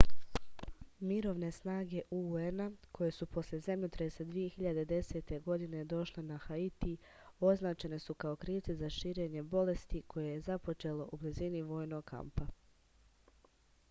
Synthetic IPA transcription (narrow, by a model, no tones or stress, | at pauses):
miɾo̞ːʋne̞snaːɡe̞ʔuenakʰo̞je̞supo̞slje̞zemʎut̪ɾesad̪ʋije̞xiʎad̪ed̪e̞se̞ːt̪e̞ɡo̞d̪ine̞d̪o̞ʃle̞naxait̪i | o̞znaːt͡ʃe̞ne̞sukao̞kɾiːʋt̪sezaʃiːɾe̞ːɲe̞bo̞le̞st̪ikʰo̞jejezapo̞t͡ʃe̞ːlo̞ʔubliziniʋo̞ːjno̞ɡkʰa̰mpa